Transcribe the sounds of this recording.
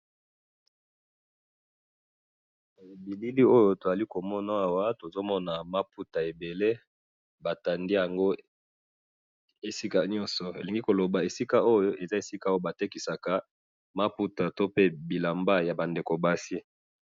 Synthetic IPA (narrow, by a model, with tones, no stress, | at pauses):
e˨bi˨li˦li˦o˦jo˦to˨za˨li˦ko˨mɔ˦na˨˦a˨wa˦to˨zo˦mɔ˦na˨ma˦pu˦ta˨e˨be˨le˦ | ba˨ta˨ndi˦ja˨ŋɡo˦ | e˨si˦ka˨ɲɔ˦nsɔ˨ḛ˨li˨ŋɡi˦ko˨lo˨ba˨e˨si˦ka˦o˦jo˦ʔe˨za˦e˨si˦ka˨o˦jo˦˨ba˨te˦ki˨sa˨ka˨ | ma˦pu˦ta˨to˦pe˦bi˨la˨mba˦ja˨ba˨nde˨ko˨ba˦si˦